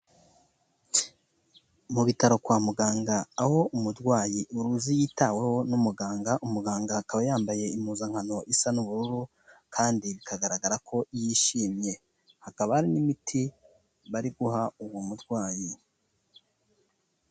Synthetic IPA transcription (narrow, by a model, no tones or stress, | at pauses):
muβitaɾo̞kwaːmuɡaːŋɡaːho̞umudɡwaːjiʔuɾuzijiːtawe̞ho̞numuɡaːŋɡaʔumuɡaːŋɡakaβajaːmbaje̞imuzaŋ̥hano̞ʔisanuβuɾuɾu | kʰaːndiβikʰaɡaɾaɡaɾakʰo̞ijiʃiːmje̞ | hakaβahaɾinimitʰi | βaɾiɡuhauwomudɡwaːji